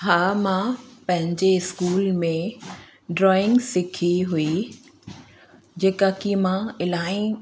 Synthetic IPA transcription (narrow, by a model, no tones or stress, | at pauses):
ɦaːmãpɐ̃ɦɪ̃ɲd͡ʑeɪskuːlmẽ | ɖɾɔːɪ̃ŋɡsɪkʰiɦui | d͡ʑeːkakimãɪlaːĩ